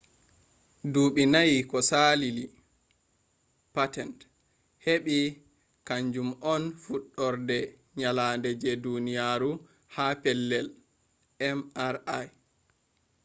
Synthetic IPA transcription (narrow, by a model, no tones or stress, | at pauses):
duɓinajikɔsalili | patɛnt | heɓi | kaɲd͡ʒumɔnfuɗːɔɾdɛ | ɲalaːndɛd͡ʒɛdunijaːɾu | hapɛlːɛl | ɛmaɾaj